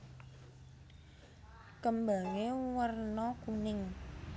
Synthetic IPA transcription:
kəmbaŋewərnɔkunɪŋ

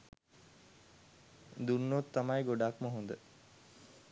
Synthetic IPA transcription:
d̪unːot̪ːamajɡoɖakməɦund̪ə

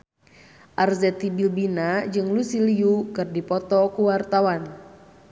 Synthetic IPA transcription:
ʔarzɛt̪ibilbinad͡ʒɨŋlusiliukɨrdipɔt̪ɔkuwart̪awan

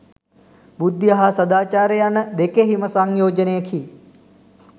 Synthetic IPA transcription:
bud̪jɐɦasɐd̪aːt͡ʃaːɾəjanəd̪ekeɦiməsaŋjoːd͡ʒɐnejɐkʰi

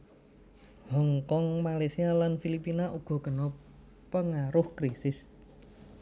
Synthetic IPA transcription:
hɔŋkɔŋmalajsialanfilipinaʔuɡ̥ɔ̤kənɔ | pəŋaɾʊhkɾisɪs

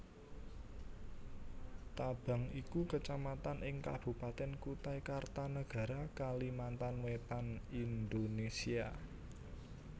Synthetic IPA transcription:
t̪ab̥a̤ŋikukət͡ʃamat̪anʔɪŋka̰b̥ṳpat̪ɛnkut̪ajkart̪anəɡ̥ä̤ɾakalimant̪anwet̪anind̪onesia

